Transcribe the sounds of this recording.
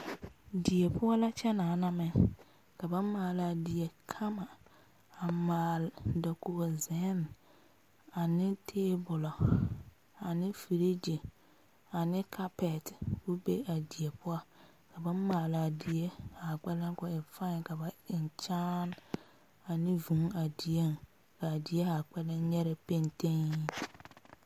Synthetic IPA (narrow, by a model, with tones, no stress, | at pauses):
di˨e˨pʊ˦a˦la˦t͡ʃɛ˦naː˨˦na˦mɛ˦˨ | ka˨bã˦maː˨la˨dɪ˨e˨kʰa˦ma˨ | a˨maː˨lda˨ko˨o˨zɛ˨˦n | a˨nɪ̃˦tʰeː˦bʊ˨la˨ | a˨nɪ̃˦fi˨ɾi˦d͡ʒe˨ | a˨nɪ˦kʰa˦pɛ˨tbu˦be˦a˨dɪ˨e˨pʊ˦a˦˨ | ka˨ba˦maː˨la˨dɪ˨e˦a˨k͡pɛ˦la˦kʊ˨ɪ˨fa˦˨ka˨ba˨ɪ˨n˨t͡ʃaː˦n | a˨nɪ˦vũ˨ŋa˨di˨e˦˨ŋ˨ | ka˨dɪ˨ɛ˦a˨k͡pɛ˦la˦ɲɛ˦ɾɛ˦pe˦nte˦ŋ˦